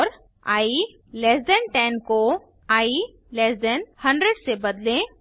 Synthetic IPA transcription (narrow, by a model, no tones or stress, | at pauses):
ɾ | aːi | lɛːsɖɛnʈɛ̃ːnko | aːi | lɛːsɖ̪ɛnhɐ̃ɳɖɾəɖsebɐd̪lẽ